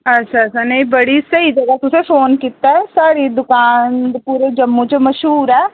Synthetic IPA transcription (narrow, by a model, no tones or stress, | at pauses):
ɐtːʃʰaanɐĩbɐɽisɐid͡ʒɐɡat̪ʊsefoːnkit̪ːaɦɛsaːɾid̪ʊkaːnpuːɾed͡ʒɐmːũt͡ʃəmɐʃɦuːɾɦɛː